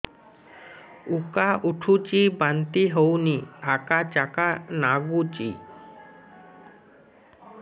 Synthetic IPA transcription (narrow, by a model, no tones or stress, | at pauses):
ukauʈʰut͡ʃibant̪iɦəwniakat͡ʃakanaɡut͡ʃḭ